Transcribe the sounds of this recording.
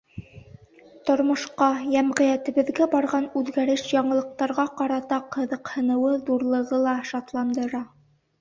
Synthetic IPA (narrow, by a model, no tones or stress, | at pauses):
t̪ŏɾmŏʃqɑjæmʁɘ̆jæt̪ɘ̆βɘ̆ðɡæbɑɾʁɑnʉðɡæɾɘʃjɑɴɤ̆lˠɤ̆q̚t̪ɑɾʁɑqɑɾɑt̪ɑqhɤ̆ðɤ̆qhɤ̆nɤ̆wɤðuɾlˠɤ̆ʁɤlˠɑʃɑt̪lˠɑnd̪ɤ̆ɾɑ